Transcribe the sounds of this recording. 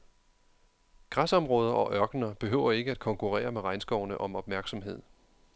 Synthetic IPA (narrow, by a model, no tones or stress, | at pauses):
ɡ̥ʁasɒ̽mʁɔ̽ːð̞ˠɐʔɒ̽ʔɶɐɡ̥nɐb̥e̝ɦøʊ̰ɐe̝ɡ̥əæd̥̚kʰɒ̽ŋkʰuʁɛ̰ːɐmeʁɑ̈ɪnsɡ̥ɒʊnəʔɒ̽mɒ̽b̥̚mæɐɡ̥sɒ̽mɦe̝ð̞̰ˠ